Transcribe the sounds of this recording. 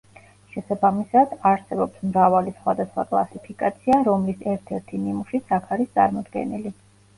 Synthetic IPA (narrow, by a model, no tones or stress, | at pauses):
ʃɛsabamisad̪aɾsɛbɔpsmɾavalisχwad̪asχwa̰kʼlˠa̰sipʰikʼat̪sʰiaɾɔmlisɛɾt̪ʰɛɾt̪ʰinimuʃit̪sʰakʰaɾist̪sʼa̰ɾmɔd̪ɡɛ̰nili